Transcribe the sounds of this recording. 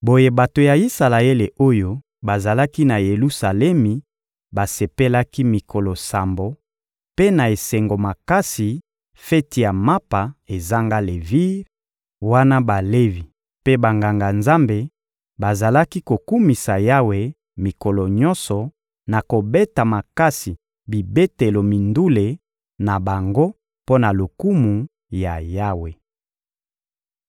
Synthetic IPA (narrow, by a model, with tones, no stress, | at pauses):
bo˨je˨ba˨to˨ja˨i˦sa˨la˨e˦le˨ʔo˦jo˦ | ba˨za˨la˦ki˦na˨je˨lu˦sa˨lɛ˦mi˨ | ba˨se˨pe˦la˦ki˦mi˨kʰo˨lɔ˨sa˨mbo˨ | pe˦na˨e˨se˨ŋɡo˨ma˨ka˦si˨ | fɛ˦ti˨ja˨ma˦pa˨e˨za˦ŋɡa˦le˨vi˦ʁ | wa˦na˦ba˨le˦vi˨ | pe˦ba˨ŋɡa˨ŋɡa˨nza˦mbe˨ | ba˨za˨la˦ki˦ko˨ku˦mi˨sa˨ja˦we˨ | mi˨ko˨lɔ˨ɲɔ˦nsɔ˨ | na˨ko˨be˦ta˨ma˨ka˦si˨ | bi˨be˦te˨lo˨mi˨ndu˦le˨ | na˨ba˨ŋɡo˦ | po˦na˨lo˨ku˦mu˨ | ja̰˨ja˦we˨